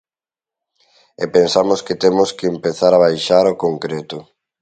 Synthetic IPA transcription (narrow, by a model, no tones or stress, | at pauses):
epensamʊskɪt̪emʊskɪːmpeθaɾaβ̞ajʃaɾokoŋkɾet̪ʊ